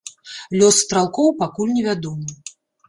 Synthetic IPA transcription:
lʲɔsːt̪ɾalˠkɔwpakulʲnʲɛvʲad̪ɔmɨ

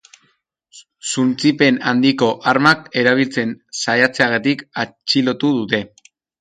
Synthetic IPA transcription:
sunt͡sipe̞nand̪iko̞ʔaɾmake̞ɾaβ̞ilt͡se̞nsajat͡se̞aɣat̪ikat͡ʃilo̞t̪uðut̪e̞

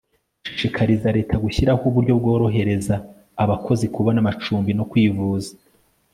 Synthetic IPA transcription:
ʃiʃikʰaɾizaɾe̞ːtʰaɡuçiɾahuβuɾɟo̞bɡo̞ːɾo̞ɦe̞ɾe̞zaː | βakʰo̞zikuβanamat͡ʃuːmbinokwiːvuːzḁ

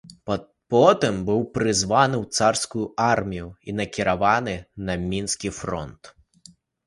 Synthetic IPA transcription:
pɔt̪ɪmbɪwpɾɪzʋɑnɪwt̪sɑrsʲkʊjʊʔɑrmʲijʊinɐkʲɪɾɐʋɑnɪnɐmʲinsʲkʲijfɾɔ̰nt̪

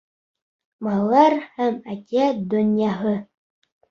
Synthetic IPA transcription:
mɑlˠɑlˠɑɾhæmækʲiæd̪ɵ̆njɑɦɤ

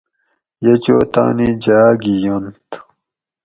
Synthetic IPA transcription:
jet͡ɕoːt̪a̰ːnid͡ʑaːɡijont̪

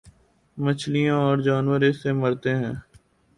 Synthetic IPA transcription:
mət͡ʃʰlijãɔːɾd͡ʒaːnʋəɾeseməɾt̪eɦɛ̃ː

